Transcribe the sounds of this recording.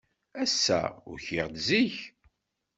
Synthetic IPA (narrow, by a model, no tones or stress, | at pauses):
æsːæ̰ʊ̰ɾçiʁd̪ziç